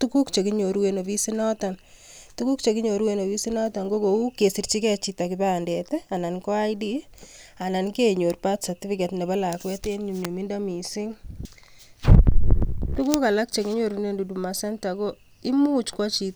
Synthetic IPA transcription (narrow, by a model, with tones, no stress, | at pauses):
tu˦ku˦kt͡ʃe˨kɪ˦ɲo˨ɾwe˦no˨βi˦sɪ˦nɔ˦ta˨ntu˦ku˦kt͡ʃe˨kɪ˦ɲo˨ɾwe˦no˨βi˦si˦nɔ˦ta˨ŋɡo˦ko˨u˦ke˨si˨ɾt͡ʃi˦kɛ˦t͡ʃi˦ta˨kɪ˨ba˦˨ndɛ˨tɛ˦a˨na˨nkɔ˦a˦jdi˦ | a˨na˨nke˦ɲo˨ɾpa˦tsa˨tɪ˦fɪ˦ke˨tnɛ˨ba˦la˨kwɛ˦te˦nɲu˨mɲo˨mi˦nda˦mi˨sɪ˦ŋ | tu˦ku˦ka˨la˦k̚t͡ʃe˨ki˦ɲo˦ɾi˦ne˦ndu˨du˨ma˨sɛ˦nta˨ko˦ | ɪ˦mu˦t͡ʃkwa˦t͡ʃi˦t